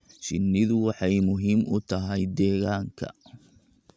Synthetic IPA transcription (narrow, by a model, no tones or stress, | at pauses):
t͡ʃɪnːɪðʊwɑħɑjmʊɦiːmʊt̪ʰɐɦɛjd̪ɛːɣaːŋkʰɐ̰